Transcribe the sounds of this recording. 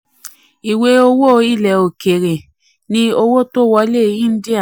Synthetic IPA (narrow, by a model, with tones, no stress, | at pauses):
i˨we˧˦o˧wo˦˧˦i˦˨lɛ˨o˨ke˨ɾe˨ | nĩ˧o˧wo˦˨to˦˨wɔ˧˦le˦˨˦ĩ˦n̩˦di˦a˦˨